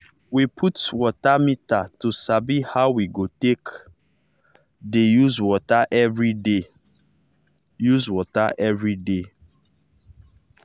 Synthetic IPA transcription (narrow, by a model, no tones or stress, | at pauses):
wipʰutwɔtamitatusabihaʊwiɡotek | dejuzwɔtaʔɛvɹide | juzwɔtaʔɛvɹide